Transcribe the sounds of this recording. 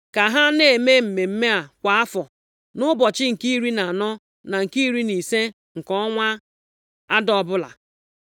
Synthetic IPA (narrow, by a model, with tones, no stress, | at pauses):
ka˨ɦa˦ne˨e˨me˦m̩˨me˨m̩˦me˦a˨kʷa˨a˦fɔ˨ | nʊ˦bɔ˨t͡ʃɪ˦ŋ̩˨ki˦i˦ɾi˦na˨nɔ˦ | na˨ŋ̩˨ki˦i˦ɾi˦ni˨se˦ | ŋ̩˨kɔ˦ŋʷa˦ | a˦dɔ˨bʊ˦la̰˨